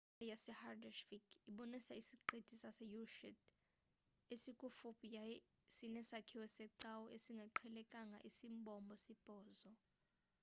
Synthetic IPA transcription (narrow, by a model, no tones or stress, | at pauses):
ajasɛhardaʃfiɡ̥iɓɔnisaisiǃid̥ʱisasɛjuʃɛd | esikʼufupʰʼija | sinɛsakʰiwɛsɛǀawɔʔesiŋɡʱɛǃʰɛlɛkʼaŋɡʱa̰ʔisimbʱɔmbʱɔsib̥ʱɔːzɔ